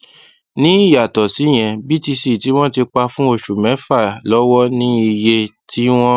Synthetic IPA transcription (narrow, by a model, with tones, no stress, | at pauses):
nĩ˦i˦˨ja˨tɔ˨si˨˦j̃ɛ̃˧bi˦˨ti˧si˦˨ti˨˦w̃ɔ̃˦ti˧k͡pa˧fũ˦o˧ʃu˨mɛ̃˨˦fa˦˨lɔ˨˦wɔ˦nĩ˦i˧je˧tʰi˦w̃ɔ̃˦